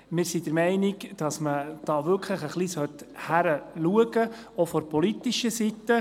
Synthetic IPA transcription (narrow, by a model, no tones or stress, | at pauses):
mɪːɾsid̥əɾmɛɪnɪɡd̥ɑsməd̥ɑːʋʏɾkʰləχəχlisœthæɾəluəɡə | ofɔɾpɔlitiʃəsitːə